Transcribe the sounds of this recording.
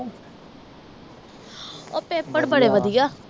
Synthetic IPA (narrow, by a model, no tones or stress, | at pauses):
o̰ːpeːpːəɽbəɽeːʋəd̪ijaː